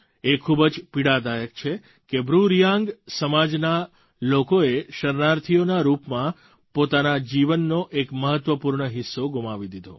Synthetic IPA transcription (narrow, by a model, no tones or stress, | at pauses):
ekʰubəd͡ʒpiɽad̪ajək̚t͡ʃʰe | kebɾuɾjãŋɡsəmad͡ʒna | lokoeʃəɾnaɾt̪ʰijonaɾupmã | pot̪anad͡ʒiʋənːoʔekməɦət̪ːʋəpuɾɳəɦɪsːoɡumaʋid̪id̪ʱo̰